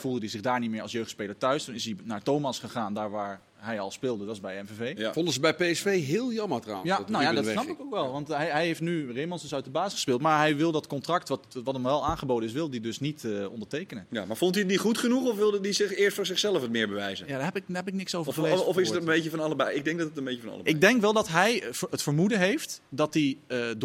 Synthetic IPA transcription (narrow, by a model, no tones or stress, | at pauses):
fulˠdədizɪɣdaːɹnitmɪːɹɑlˠsjøɥxtspeːləɹtœɥstunɪsinaːɹtoːwmasχəχaːndaːɹʋaːɹ | ɦɛjɔlˠspɪːlˠdədɔtɪsbɛjɛnvevejfondəsəbɛjpeɛsfejɦɪːlˠjɑməɹtra̰wanojadɔtsnɑpɪkokʋɛlˠʋɑntɦɛjɦɛjɦeftnyremɔnsəsœɥtəbaːsəχəspɪːlˠtmaɹɦɛjʋɪlˠdɔtkɔntrɑktʋɔtʋɑtəmʋɛlˠaːnχəboːdənɪs̬ʋɪlˠdidɵsnitɔ̰ndəɹtejkənəjamaɹfɔntiətnitχutχənuχɔfʋɪlˠdədizɪɪːɹstfʊːɹzɪχsɛlˠəfətmɪːɹbəʋɛjzəjadaɛpɪkːɛpɪknɪksowvəleɔfɪsəəəmbeəfɑnɑləbɛjɪɡ̚dɛŋk̚dɑtətənmbecəfɑnɑ̰lˠəbɪɡ̚dɛŋkʋɛlˠdɔtɦɛjətfəɹmudəɦejftdɔt̚did